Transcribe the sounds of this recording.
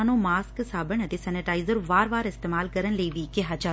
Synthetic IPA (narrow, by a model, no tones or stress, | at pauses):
nõmaːsksaːbəɳɐt̪esɛːnɪʈaːɪzəɾʋaːɾʋaːɾɪst̪eːmaːlkəɾənleːʋikeɦat͡ʃa